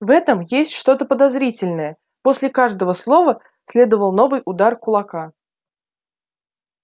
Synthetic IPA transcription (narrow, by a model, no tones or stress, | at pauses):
vɛt̪əmjesʲtʲʂt̪o̞t̪əpəd̪ɐzɾʲitʲɪlʲnəjə | posʲlʲɪkaʐd̪əvəslˠo̞və | sʲlʲe̞d̪əvəlˠno̞vɨjʊd̪arkʊlˠɐka